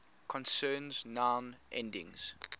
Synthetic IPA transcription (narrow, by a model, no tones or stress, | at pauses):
kʰɔ̃nsɜːnznãnʔɛ̰̃ndɪ̰̃ŋz̥